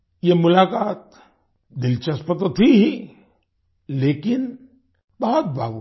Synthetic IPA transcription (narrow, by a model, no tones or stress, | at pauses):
jemʊlaːkaːt̪̚ | d̪ɪlt͡ʃɐspɐt̪ot̪ʰiɦi | leːkɪn | bɐɦɔt̪̚ba̰ːbu